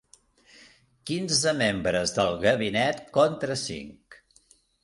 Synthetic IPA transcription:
kinzəmembɾəzðəlˠɣəβinɛt̪kɔnt̪ɾəsḭŋk

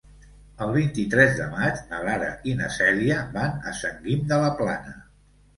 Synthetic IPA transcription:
əlˠβ̞int̪it̪ɾɛzðə̰mat͡ʃməlaɾə̰inəsɛliəbanə̰səŋɡimd̪ələplanə

